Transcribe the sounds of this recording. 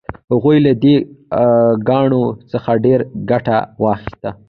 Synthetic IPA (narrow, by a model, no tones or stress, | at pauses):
haɣujlad̪e | ɡɑɳosəxaɖeɾɡaʈa̰wɑxɪ̥st̪a